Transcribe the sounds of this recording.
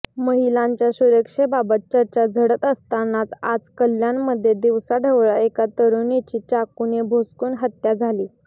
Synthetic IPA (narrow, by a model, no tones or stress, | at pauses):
məɦilaɲt͡ɕjasuɾəkʂebabət̪̚t͡ɕəɾt͡ɕad͡zʱəɽət̪əst̪anat͡sad͡zkəljanːəd̪ʱːjed̪iʋsaɖʱəʋɭaekat̪əɾunit͡ɕiːt͡ɕakunebʱoskuːnɦət̪jad͡zʱaliː